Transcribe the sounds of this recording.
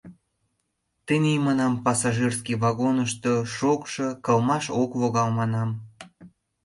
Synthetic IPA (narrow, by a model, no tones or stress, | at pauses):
t̪ənimɑnɑmpɑsɑʒirskiβɑɣonəʃt̪oʃokʃɤkəlmɑʃokβoɣɑlmɑnɑm